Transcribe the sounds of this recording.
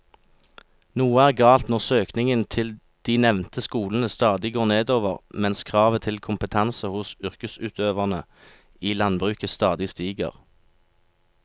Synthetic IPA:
nuːəæːʁɡɑːlt̪nɔʁsøːknɪŋənt̪ʰɪl | d̪̥iːnɛʋnt̪ʰəskuːln̩əst̪ɑːd̪ɪɡoːʁneːd̪oːʋəʁmɛnskʰʁɑːʋət̪ʰɪlkʰʊmpət̪ʰɑnsəhʊsʉʁkəsʉːt̪ʰøːʋɑʁnə | iːlɑnbʁʉːkəst̪ɑːd̪ɪst̪iːɡə̰ʁ

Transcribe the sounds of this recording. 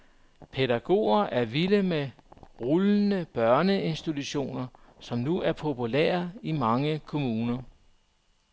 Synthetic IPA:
pʰedæɡ̥o̝̰ːɐʔæɐʋiləmeʁuln̩əb̥ɶɐnəe̝nsd̥it͡sʰuɕo̝̰ːnɐsɒ̽mnuæɐpʰo̝pʰulḛːɐɐimɑ̈ŋəkʰo̝muːnɐ

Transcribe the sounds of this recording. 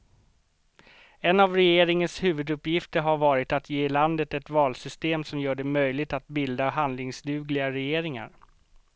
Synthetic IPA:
ɛnavɾɛjeːɾɪŋənshʉ̟ːvɵd̪ɵpːjɪft̪əɾɦaɾvɑːɾɪt̪at̪ʰjeːɪland̪ət̪ɛt̪vɑːlsʏst̪eːmsɔmjœːɖɛmœjlɪɡ̚t̪at̪̚bɪld̪aɦand̪lɪŋsd̪ʉ̟ːɡlɪɡaɾɛjeːɾɪŋa̰ɾ

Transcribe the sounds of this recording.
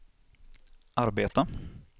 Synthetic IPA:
ʔaɾbeːt̪a

